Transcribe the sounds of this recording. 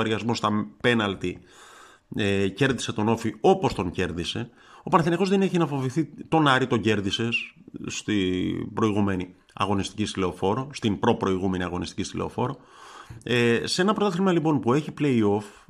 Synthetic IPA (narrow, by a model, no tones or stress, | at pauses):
eɾʝɐzmost̪ɐmpe̞nɐlt̪i | ece̞ɾðise̞t̪o̞no̞fio̞po̞st̪oɲce̞ɾðise̞ | o̞pɐnθiniɣo̞zðe̞neçinɐfo̞viθit̪o̞nɐɾit̪o̞ɲɟe̞ɾðise̞sst̪ibɾo̞iɣume̞ni | ɐ̰ɣo̞nist̪i̥cist̪ile̞ofo̞ɾo̞st̪impɾo̞pɾo̞iɣume̞niɐɣo̞nist̪icist̪ile̞o̞̰fo̞ɾo | esee̞nɐpɾo̞t̪oθeɾmɐlipo̞npue̞çiple̞io̞f